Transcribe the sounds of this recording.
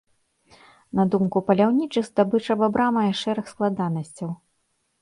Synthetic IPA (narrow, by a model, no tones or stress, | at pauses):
nɐd̪umkupɐlʲawnʲit͡ʂɨxd̪abɨt͡ʂɐbabɾamɐjɐʂɛɾɐxsklˠad̪anɐsʲt͡sʲɐw